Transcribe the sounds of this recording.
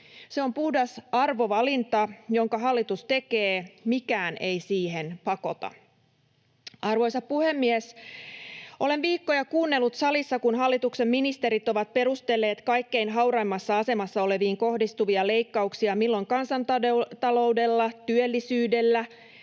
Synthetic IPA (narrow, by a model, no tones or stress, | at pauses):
se̞o̞mpuhdɑsɑrʋo̞ʋɑlint̪ɑjoŋkɑɦɑlːit̪ust̪e̞keːmikæːne̞jsiːɦe̞npɑko̞t̪ɑ̰ | ɑrʋo̞jsɑppuhe̞mːies | ʔo̞le̞nʋiːkːo̞jɑkuːnːe̞lːut̪sɑlisːɑkunɦɑlːit̪ukse̞mːinist̪eɾit̪o̞ʋɑt̪̚pe̞ɾust̪e̞lːe̞ːt̪kɑjkːe̞inɦɑwɾɑimːɑsːɑɑse̞mɑsːɑo̞le̞ʋiːŋko̞hdist̪uʋiɑle̞jkːɑuksiɑmilːoŋkɑnsɑnt̪ɑdt̪ɑlo̞ude̞lːɑt̪yølːisyːde̞lːæ